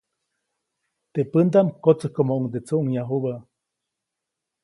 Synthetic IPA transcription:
t̪epɨnd̪amkot͡səhkomoʔuŋd̪et͡suʔuŋjaɦuβaʔ

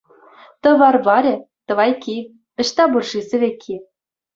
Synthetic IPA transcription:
t̪ɤ̆ʋɑrvɑɾʲɘ̆ | t̪ɤ̆ʋɑjkʲi | ɤ̆ɕt̪ɑburʐisʲɘ̆βʲekʲʰːi

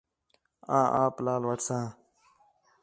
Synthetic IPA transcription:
ãːʔã̰ːplaːlʋəʈsãː

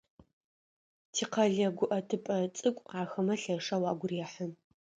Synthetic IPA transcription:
tʰiːqɐɮɐɡʷʊʔɐtʰɨpʼɐt͡sʼɨkʷʼqɑːxɐmɐɬɐʂɐwɑːɡʷʊriːħən

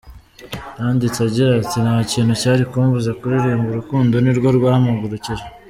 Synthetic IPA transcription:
jaːndit͡saɟiɾatinhaciːnhucaːɾikuːmvuzakuɾiɾimbuɾukuːndo̞niɾɡoɾɡwaːhamuɡuɾuciɾe

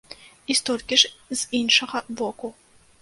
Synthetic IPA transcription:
ist̪ɔlʲkʲiʂz̥inʂɐɣɐbɔku

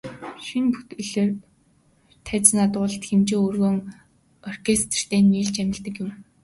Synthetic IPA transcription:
ʃinpu̥t̪ɘɮeːr | t̪ʰæːt͡snat̪ʊːɮt̪xemt͡ɕeŋɵrɣoːŋ | ɔr̥kʰest̪r̥t̪ʰeːnːiːɮt͡ɕæmʲɪ̆ɮt̪ə̆kjʊm

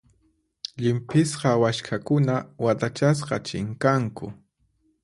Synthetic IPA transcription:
ʎɪmpɪsqɑwaʃkʰakʊnawat̪at͡ʃas̬qɑt͡ʃɪ̰ŋkaŋkʊ̰

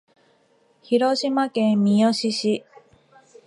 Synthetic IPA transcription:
çiɾo̞ɕimakẽmmʲijoɕiɕi

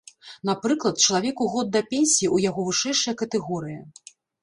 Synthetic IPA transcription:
napɾɨklˠɐt̪̚t͡ʃɐlˠavʲɛkuɣɔd̪̚ːɐpʲenʲsʲijiujaɣɔvɨʂɛjʂɐjɐkɐt̪ɛɣɔɾɨjɐ

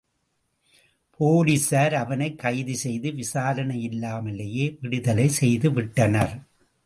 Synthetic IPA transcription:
pʰoːlisaːɾɐʋɐnɐɪkːɐɪðisɛjðɯʋɪsaːɾɐnɐjɪlːaːmɐlːɐjeːʋɪɽɯðɐlɐɪsɛjðɯʋɪʈːɐnɐɾ

